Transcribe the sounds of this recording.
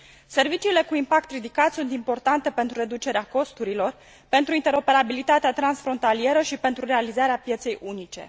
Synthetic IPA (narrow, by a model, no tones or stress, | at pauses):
se̞rvit͡ʃiːle̞kuimpak̚t̪rid̪ikat̪sunt̪impo̞rt̪ant̪e̞pe̞nt̪ɾuɾe̞d̪ut͡ʃe̞ɾeako̞st̪uɾilo̞r | pe̞nt̪ɾuint̪e̞ɾo̞pe̞ɾabilit̪at̪eat̪ɾansfɾo̞nt̪alije̞ɾəʃipe̞nt̪ɾure̞alizaɾeapje̞t̪se̞jʔunit͡ʃe̞̰